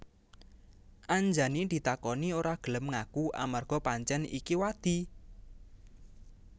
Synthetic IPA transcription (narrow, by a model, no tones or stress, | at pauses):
ʔaɲd͡ʒanind̪̥i̤t̪akɔnioɾaɡ̥ələmŋakuʔa̰marɡ̥ɔ̤paɲt͡ʃɛnḭkiwad̪̥i̤